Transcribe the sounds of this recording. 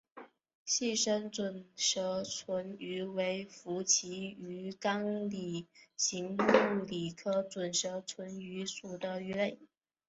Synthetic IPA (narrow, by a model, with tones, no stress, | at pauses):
ɕi˥˩ʂə˥nt͡swə˨˩nʂɤ˧˥t͡sʰwə˧˥ny˧˥we˧˥ɪfu˧˥t͡ɕʰi˧˥y˧˥kɑ˥ŋli˨˩ɕi˧˥ŋu˥˩li˨˩kʰɤ˥t͡swə˨˩nʂɤ˧˥t͡sʰwə˧˥ny˧˥su˨˩d̪ə˦y˧˥le˥˩ɪ